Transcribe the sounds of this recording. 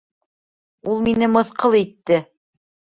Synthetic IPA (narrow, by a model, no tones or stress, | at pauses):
ulˠminɘmɤ̆θqɤlˠit̪ːɘ